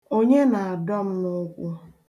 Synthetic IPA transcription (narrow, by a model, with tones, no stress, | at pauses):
o˦ɲe˦na˨a˨dɔ˦m̩˦nʊ˦kʷʊ˦